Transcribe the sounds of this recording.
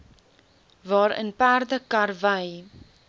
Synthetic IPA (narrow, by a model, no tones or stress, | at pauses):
vɑːɾə̰npærdəkɐrvəj